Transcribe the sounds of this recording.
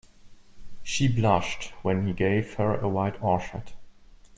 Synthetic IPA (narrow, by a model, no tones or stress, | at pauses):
ʃiblʌʃtwɛ̃niɡeɪv̥hə˞əwaɪtʰɔɹʃə̰t